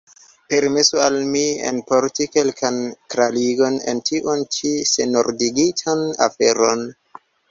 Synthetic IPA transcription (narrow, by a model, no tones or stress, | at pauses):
pe̞ɾmesualmiḛnpoɾtike̞lkʰankɾaliɡo̞nḛntʰiʔont͡ʃisenoɾdiɡitʰana̰feɾon